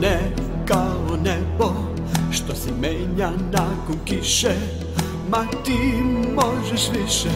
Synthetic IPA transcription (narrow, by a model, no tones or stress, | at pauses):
nɛ | kaonɛbo | ʃt̪osime | ɲanakũkiʃe | ma | t̪imɔʒeʃviʃe